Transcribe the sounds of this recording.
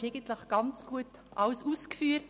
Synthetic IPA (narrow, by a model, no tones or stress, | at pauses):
eɡən̩tləχɡ̥ɑnt͡sɡ̥uətʔɑʊsuːskfyːət